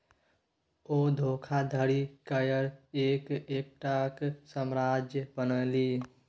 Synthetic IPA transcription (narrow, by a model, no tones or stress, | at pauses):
od̪ʱokʰad̪ʱəɾikəjəɾekek̚ʈaksəmɾad͡ʒjəbənəli